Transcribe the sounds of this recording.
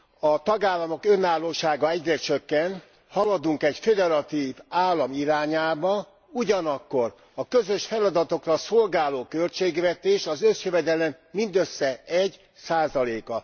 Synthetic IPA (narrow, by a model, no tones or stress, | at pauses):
ɒt̪ɒɡaːlːɒmo̞kø̞naːlːoːʃaːɡɒɛɟrɛt͡ʃøkːɛn | hɒlɒd̪uŋkɛɟfed̪ɛɾɒt̪iːvaːlːɒmiɾaːɲaːbɒ | uɟɒnɒkːo̞r | ɒkøzøʃfɛlɒd̪ɒt̪o̞krɒso̞lɡaːloːkø̞lt͡ʃeːɡʋɛt̪eːʃɒzø̞sjøvɛd̪ɛlɛmːind̪øsːɛɛɟ | saːzɒleːkɒ